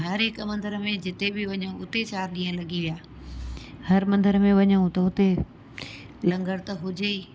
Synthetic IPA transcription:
ɦɐɾɦɪkmɐ̃nd̪əɾəmẽd͡ʑɪt̪ebɪʋɐɲəũʊt̪et͡ɕaːɾɗĩːə̃lɐɡiʋijaː | hɐɾmɐ̃nd̪əɾəmẽʋɐɲəũt̪ɐʊt̪e | lɐ̃ŋɡəɽt̪ɐɦʊd͡ʑeiː

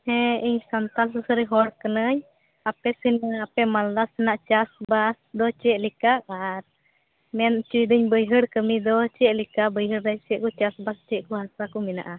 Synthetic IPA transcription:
hɛ̃iɲsant̪alsəsəɾiɦɔɽkənəɲ | apɛsinəapɛmald̪asinaʔt͡ʃasbasd̪ɔt͡ʃɛʔlikaʔaɾ | mɛnt͡ʃud̪əɲbəjɦəɽkəmid̪ɔt͡ʃɛʔlikaʔbəjɦəɽdɛsɛʔkɔt͡ʃasbast͡ʃɛʔkɔɦasakɔmina̰ʔa

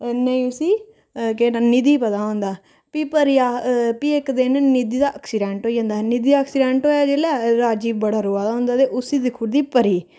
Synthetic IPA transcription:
nəĩːʊsiː | keːnanid̪iːpət̪aːɦõnd̪aː | piːpəɾijaːpiːekd̪eːnnid̪iːd̪aːʔəksɪɖɛ̃ːɳʈɦoːid͡ʒãːnd̪aːɦnid̪iːd̪aːksɪɖɛ̃ːɳʈɦoːjaːd͡ʒeːlaːɾaːd͡ʒiːbəɽaːɾoːaːd̪aːɦʊ̃nd̪aːt̪eːʔʊsiːd̪ɪkʰːʊɾd̪iːpəɾiː

